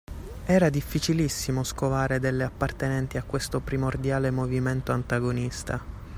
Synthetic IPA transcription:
ɛːɾad̪ifːit͡ʃilisːimoskovaːɾed̪elːeapːart̪enɛnt̪iakːwest̪opɾimord̪jaːlemoviment̪oant̪aɡonist̪a̰

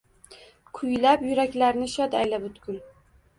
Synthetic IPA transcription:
kʰʊjlapjʊɾakʲlaɾnɪʃɒd̪ajlabʊt̪kʲʊl

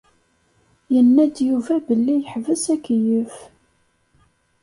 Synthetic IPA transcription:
jənːæd̪juvæbəlːijəħvəsækjəf

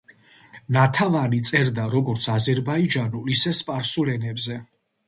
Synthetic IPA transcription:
nat̪ʰavanit̪sʼɛɾd̪aɾɔɡɔɾt̪sʰazɛɾbaid͡ʒanulisɛspʼaɾsulɛnɛbzɛ

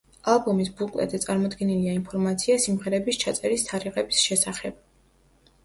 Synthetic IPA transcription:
alˠbɔmisbukʼlɛ̰t̪d̪zɛt̪sʼaɾmɔd̪ɡɛniliainpʰɔɾmat̪sʰiasimʁɛɾɛbist͡ʃʰat̪sʼɛɾist̪ʰaɾiʁɛbisʃɛsaχɛb̥̚

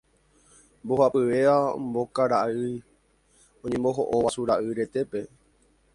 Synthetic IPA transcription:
mbohapɨʋe̞ambo̞kaɾaɨ | õɲẽmbo̞ɦoʔoʋasuɾaʔɨɾe̞t̪e̞pe̞

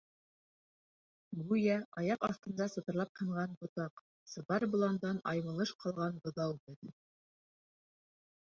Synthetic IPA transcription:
ɡujæʔɑjɑqɑθt̪ɤ̆nd̪ɑsɤ̆t̪ɤ̆ɾlˠɑp̚hɤ̆ɴʁɑnbŏt̪ɑq | sɤ̆bɑɾbŏlˠɑnd̪ɑnʔɑjmɤ̆lˠɤʃqʰɑlˠʁɑnbɤ̆ðɑwbɘð

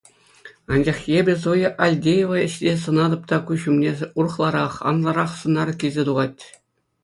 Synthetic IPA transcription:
ɑnd͡ʑɑχjebʲɘ̆s̬ojɤʔɑlʲdʲejeʋɑ̆ɘ̆ɕtʲes̬ɤ̆nɑd̪ɤ̆p̚t̪ɑkuɕumnʲeur̆χlˠɑɾɑχɑ̰nlˠɑɾɑχsɤ̆nɑrkʲizʲet̪uʁɑtʲ

